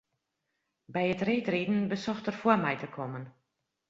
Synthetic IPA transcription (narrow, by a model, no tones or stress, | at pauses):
bɛjətreːtridn̩bəsɔxtərfuəmɛjtəkʰɔmən